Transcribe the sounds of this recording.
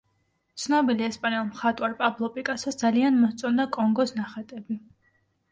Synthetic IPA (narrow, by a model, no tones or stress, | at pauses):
t̪sʰnɔbiliɛspʼanɛlˠmχat̪ʼwaɾpʼablˠɔpʼikʼasasd̪zalianmɔst̪sʼɔnd̪akʼɔŋɡɔsnaχat̪ʼɛbi